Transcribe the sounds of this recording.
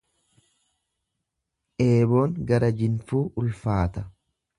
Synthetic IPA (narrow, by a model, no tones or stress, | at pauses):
ʔe̞ːbo̞ːŋɡɐɾɐd͡ʒɪnfuːʔʊlfaːt̪ɐ̥